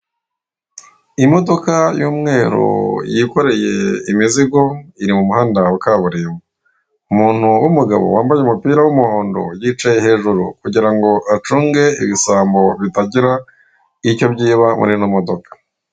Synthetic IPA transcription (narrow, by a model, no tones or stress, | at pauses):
imo̞do̞kajuːmŋe̞ːɾṵjiko̞ɾe̞je̞̰imiziɡo̞iɾimumuhaːndawakaːβuɾimu | umuːn̥huwumuɡa̰βo̰waːmbajeumupiːɾawumuhoːndo̰jiːt͡ʃajehe̞ːʒuɾṵkuɟiɾaŋɡo̞ʔat͡ʃuːŋɡe̞iβisaːmbo̞βitaɟiɾa | icco̞bɟiːβamṵɾinomo̞do̞kḁ